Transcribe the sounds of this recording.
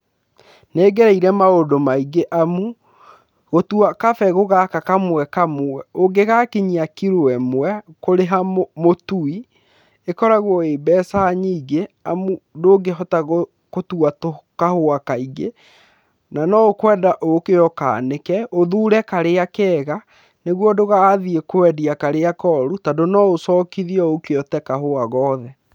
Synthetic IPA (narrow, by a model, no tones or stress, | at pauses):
neːɡɛɾɛiɾɛmaodomaiɡeʔamu | ɣotuakafɛɣoɣakakamwɛkamɛoɡeɣakiɲiakiɾwɛmwɛkoɾeɦamotui | ekɔɾaɣwɔeːbɛːsaɲiːɡeamudoɡeɦɔtaɣo | kotuatokahoakaiɣe | nanɔokwɛːdaʔokeɔka̰ːnekɛoðuːɾɛkaɾeakɛːɣa | neɣwɔdoɣaːðiekoɛdiakaɾeakɔɾutadonɔosɔːkiðiɔokeɔtɛkahoaɣɔːðɛ